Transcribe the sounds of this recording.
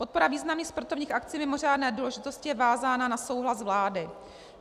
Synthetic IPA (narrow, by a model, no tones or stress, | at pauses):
po̞t̪̚po̞ɾaviːznamnɲiːxspɾat̪ovɲiːxʔakt͡siːmɪmo̞r̝aːdnɛːduːlɛʒɪt̪o̞scɪjɛvaːzaːnanaso̞wɦlasvlaːdɪ